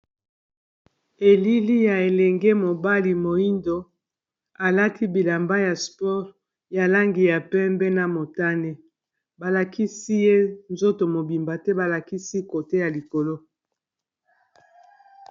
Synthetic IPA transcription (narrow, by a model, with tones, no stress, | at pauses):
e˨li˦li˦ja˨e˨lɛ˨ŋɡɛ˦mo˨ba˦li˨mo˨i˦ndo˨ | a˨la˦tʰi˦bi˨la˨mba˦ja˨spɔ˦ʁ | ja˨la˦ŋɡi˨ja˨pɛ˦mbɛ˦na˨mo˨ta˦nɛ˦ | ba˨la˨kʰi˦si˦je˦nzo˦to˨mo˨bi˨mba˨tɛ˦ba˨la˨ki˦si˦ko˨te˦ja˨li˨ko˨lo˦